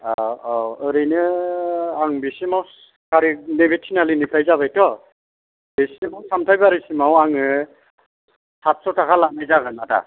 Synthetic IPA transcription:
aaɯɾejnɯ | aŋbesimɔws | kaɾiknebetʰːinalinipʰɾajzabajtɔ | besimawsamtʰajbaɾisimawaŋɯ | sat̚sɔtakʰalanajzaɡɯnata̰

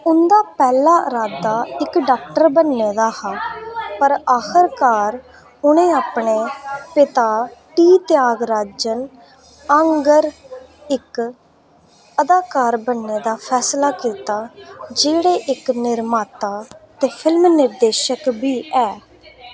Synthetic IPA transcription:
ʊnd̪aːpɛːlaːɾaːd̪aːɪkɖaːk̚ʈəɾbənːeːd̪aːhaːpəɾaːxʰəɾkaːɾ | ʊnẽːaːpɳeːpɪt̪aːʈiːt̪ɪjaːɡɾaːd͡ʒən | əŋɡəɾ | ɪk | əd̪aːkaːɾbənːeːd̪aːpʰɛːslaːkiːt̪aːd͡ʒeːɽeːʔɪknɪɾmaːt̪aːt̪eːpʰɪlmnɪɾd̪eːʃəkbiːʔɛː

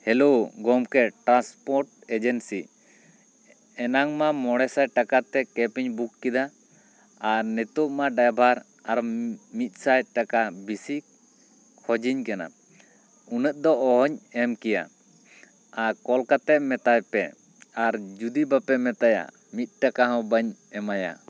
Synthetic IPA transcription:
hɛlowɡɔmkɛʈɾanspɔɾʈ | ɛd͡ʒɛnsi | ɛnaŋmamɔɽɛsaj̪̚ʈakat̪ɛkɛpiɲbukːid̪a | aɾnɛt̪ɔʔmaɖajbʱaɾ | aɾmit̪̚ˀsajd̪̚ʈakabisi | kʰɔd͡ʒiɲkana̰ | unəʔ̪̚ˀd̪ɔɔɦɔɲɛmkija̰ | aɾkɔlkat̪ɛʔ̚mɛt̪ajpɛ̰ | aɾd͡ʒud̪ibapɛmɛt̪aja̰ | mit̪̚ʈakaɦɔ̃bəɲɛmaja̰

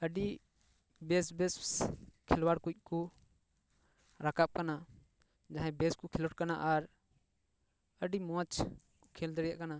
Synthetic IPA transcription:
əɖi | bɛsbɛsskʰɛlwaɽkuc̚ˀku | ɾakap̚kana | d͡ʒãɦɛ̃bɛskɔkʰɛlɔʈ̚kanaʔaɾ | əɖimɔ̃t͡ʃ | kʰɛld̪əɽja̰ʔkana

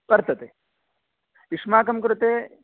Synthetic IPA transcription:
pɐɾt̪ɐt̪e | iʂmaːk̬ɐmkɾut̪eː

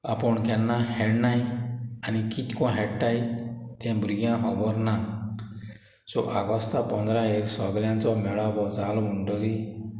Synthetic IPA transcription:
apɔɳkɛnːahɛɽnaj̃anikit̪kɔ̃ɦɛɽʈajt̪ɛ̃bɾiɡãɦɔbɔɾna | t͡ʃɔʔaɡɔst̪apɔnd̪ɾaɦeɾsɔɡljãnt͡ʃɔmɛɭabɔd͡zaluɳɖɔɾi

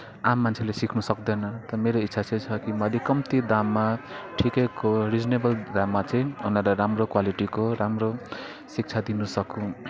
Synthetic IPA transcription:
amːant͡sʰelesikʰnusʌkd̪ʌnʌt̪ʌmeɾoitːsʰat͡sʌ̃jt͡sʰʌkimʌlekʌmt̪id̪amːaʈʰikʌjkorid͡znebʌld̪amːat͡sʌ̃ĩuneɾʌɾamrokwaliʈikoɾamro | sik̚t͡sʰad̪inusʌkũ

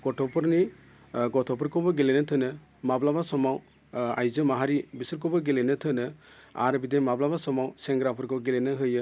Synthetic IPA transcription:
ɡ̥ɔtʰɔpʰɔɾni | ɡɔtʰɔpʰɯɾkʰɔbɔɡelenɯtʰɯnɯ | mablabasɔmaw | a̰jzɯmaɦaɾibisɯɾkɔbɔɡelenɯt̪ʰɯnɯa̰ɾbid̪emablabasɔmawsɛŋɡɾapʰɯɾkʰɔwɡelenɯɦɯjɯ

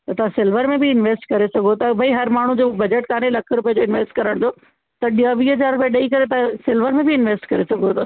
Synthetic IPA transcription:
t̪ɐt̪ɐʋ̤ãsɪlʋəɾmẽbʱiɪnʋeːsʈkɐɾesɐɡʱot̪ɐbʱɐiɦɐɾmaːɳ̤ud͡ʑobɐd͡ʑəʈkaːnelɐkʰɾʊpijəd͡ʑoːɪnʋeːsʈkɐɾəɽ̃d͡ʑoː | t̪ɐɗiaʋiːɦɐzaːɾɾʊpijaɗɐikɐɾet̪̬ɐãsɪlʋəɾmẽbʱiɪnʋeːsʈkɐɾesɐɡʱot̪

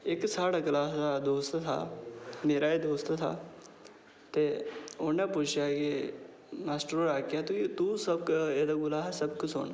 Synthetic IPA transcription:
eksaːɽɐklaːɦsad̪oːst̪t̪ʰa̰meːɾaed̪oːst̪t̪ʰa̰ | t̪eoneput͡ʃʰjaki | maːsʈɾoɾaːkijat̪ukit̪usɐb̚ked̪ɐɡʊlaɦɛsɐb̚kut͡ʃʰo̰ːn

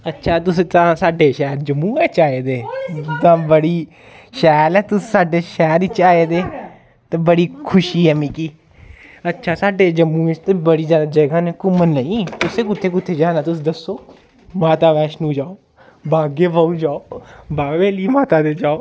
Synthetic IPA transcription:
ətːʃʰaːt̪ʊst̪ãːsaːɖeːʃɛːɾd͡ʒəmːũːɛːt͡ʃaːeːd̪eːt̪ãːbəɽiː | ʃɛːlɛːt̪ʊssaːɖeːʃɛːɾɪt͡ʃːaːeːd̪eː | t̪ãːbəɽiːkʰʊʃiːɦɛːmĩːkiː | ətːʃʰaːsaːɖeːd͡ʒəmːũːɪst̪ẽːbəɽiːzjaːd̪aːd͡ʒəɡãːnẽːkʊmənləĩːt̪ʊsẽːkʊt̪ʰːeːkʊt̪ʰːeːd͡ʒaːnãːt̪ʊsiːd̪əsːoː | maːt̪aːʋɛːʃnũːd͡ʒaːoː | baːɡeːbaːud͡ʒaːoːbaːʋeːliːmaːt̪aːd̪eːd͡ʒaːoː

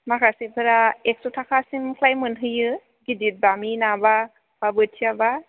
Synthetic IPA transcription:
makʰasepʰɯɾaek̚sutʰakʰasimkʰlajmɯnɦɯjɯ | ɡidit̚baminaba | b̥abɯtʰiaba

